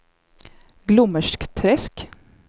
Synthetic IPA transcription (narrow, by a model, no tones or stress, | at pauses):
ɡlʊməʂkt̪ʰɾɛsk